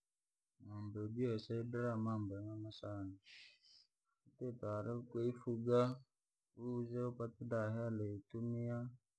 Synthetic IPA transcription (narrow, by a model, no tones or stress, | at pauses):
mambebiasaidɾamambeŋanasant͡ʃi | itetaɾekeifuɡa | uzepatidaɦaleitumija